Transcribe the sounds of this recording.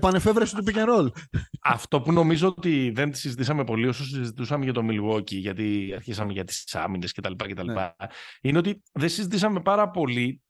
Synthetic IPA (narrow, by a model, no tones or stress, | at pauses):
pɐne̞fevɾesit̪upicenɾolɐft̪o̞puno̞mizo̞ot̪iðe̞nt̪i̥sizit̪isɐme̞po̞lio̞sos̬izit̪usɐmeʝɐt̪o̞milwo̞ciʝɐt̪iɐɾçisɐme̞ʝɐt̪i̥sɐ̰mine̞sce̞t̪ɐlipɐce̞t̪ɐlipɐine̞o̞t̪iðesizit̪isɐme̞pɐɾɐpo̞li